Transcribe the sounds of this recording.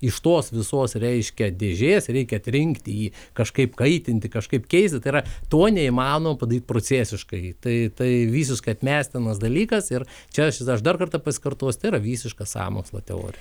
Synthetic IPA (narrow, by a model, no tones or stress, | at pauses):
ɪʃt̪oːsʋʲɪsoːsɾʲɛɪʃʲkʲɛd̪ʲeːʒʲeːsɾʲɛɪkʲɛɐt̪ʲɾʲɪŋkt̪ʲɪiːkɐʃkɐɪpkɐɪt̪ʲɪnʲt̪ʲɪkɐʃkɐɪpkʲɛɪsʲt̪ʲɪt̪ɐɪiɾɐt̪oːnʲɛimɑːnoːmɐpɐd̪ɐɾiːt̪̚pɾoːt͡sʲæːsʲɪʃkɐɪt̪ɐɪt̪ɐɪʋʲiːsʲɪʃkɐɪɐt̪ʲmʲæːsʲt̪ʲɪnɐs̬d̪ɐlʲiːkɐsɪr | t͡ʃʲɛɐʃɐʃd̪ɐrkɐrt̪ɐpɐsʲɪ̥kɐrt̪oːsʲt̪ɐɪiɾɐʋʲiːsʲɪʃkɐsɑ̰ːmo̰ːkslˠɐ̰t̪ʲɛ̰o̰ːɾʲɪj